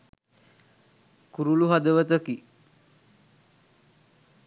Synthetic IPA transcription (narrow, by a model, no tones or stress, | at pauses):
kuɾuluɦad̪əʋət̪əki